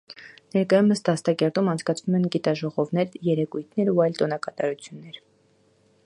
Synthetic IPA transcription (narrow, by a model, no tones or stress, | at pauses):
nɛɾkɑjuməst̪ɑst̪ɑkɛɾt̪umɑnt͡sʰkɑt͡sʰnumɛnɡit̪ɑʒɔʁɔvnɛɾjɛɾɛkujt̪ʰnɛɾuɑjlt̪ɔnɑkɑt̪ɑ̰ɾut͡sʰjunːɛɾ